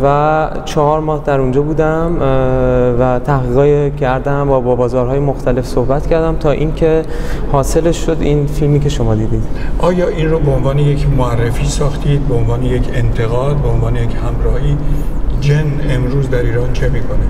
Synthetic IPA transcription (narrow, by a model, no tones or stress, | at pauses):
væ | t͡ʃʰɒhɒːɾmɒːhd̪æɾund͡ʒɒːbuːd̪æm | væt̪ʰæhɣiːɣɒːjecʰæɾd̪æmbɒːbɒːbɒːzɒːɾɦɒːje̞moxt̪ʰæle̞fsohbæt̪cʰæɾd̪æmt̪ʰɒːʔiːncʰe̞ | hɒːse̞leʃːo̞d̪iːnfilmiːce̞ʃo̞mɒːd̪iːd̪iːd̪̥ʔɒːjɒːʔiːnroːbeonvɒːnejecʰmoærːefiːsɒːxt̪ʰiːd̪̚beonvɒːnejecʰent̪ʰe̞ɣɒːd̪̚beonvɒːnejecʰhæmɾɒːhiːd͡ʒen | emɾuːzd̪æɾiːɾɒːnt͡ʃʰemiːkʰone